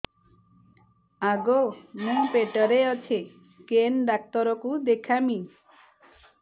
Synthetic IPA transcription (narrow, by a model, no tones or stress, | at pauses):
aɡomũpeʈɔɾeɔt͡ʃʰe | kenɖak̚t̪ɔɾɔkud̪ekʰamĩ